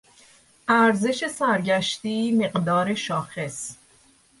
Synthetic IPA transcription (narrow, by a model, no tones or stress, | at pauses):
ʔæɾze̞ʃe̞sæɾɟæʃt̪iːme̞ɢd̪ɒːɾeʃɒːxe̞s